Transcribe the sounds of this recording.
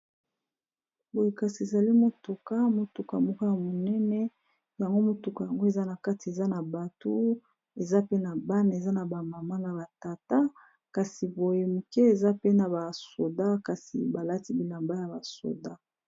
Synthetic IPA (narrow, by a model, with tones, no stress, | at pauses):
bo˨je˨ka˨si˨e˨za˨li˦mo˨tu˨ka˦mo˨tu˨ka˨mɔ˦ka˦ja˨mo˨nɛ˦nɛ˦ | ja˨ŋɡo˦mo˨tu˨ka˨ja˨ŋɡo˦e˨za˦na˨ka˦ti˨e˨za˦na˨ba˨to˦ | e˨za˦pe˦na˨ba˦n˨e˨za˦na˨ba˨ma˨ma˦na˨ba˨ta˨ta˦ | ka˨si˨bo˨je˨mu˨ke˦e˨za˦pe˦na˨ba˨so˨da˦ka˨sḭ˨ba˨la˦ti˦bi˨la˨mba˦ja˨ba˨so̰˨da˦